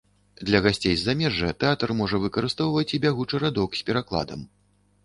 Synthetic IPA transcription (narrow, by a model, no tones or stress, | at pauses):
d̪lʲɐɣasʲt͡sʲejzːamʲɛʐɨt̪ɛat̪ɐrmɔʐɐvɨkɐɾɨst̪ɔwvɐt͡sʲibʲaɣut͡ʂɨɾad̪ɔksʲpʲɛɾaklˠa̰d̪ɐ̰m